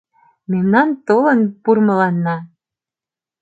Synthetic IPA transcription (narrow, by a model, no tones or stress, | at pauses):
memnɑnt̪olˠɤ̆npurmɤ̆lˠɑnːɑ